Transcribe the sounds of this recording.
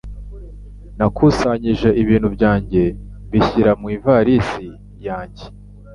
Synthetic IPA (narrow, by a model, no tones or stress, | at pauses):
nakʰusaɲiʒe̞ʔiβiːn̤̥hubɟaːɲɟe̞βiçiɾamwiːvaɾisi | jaːɲɟe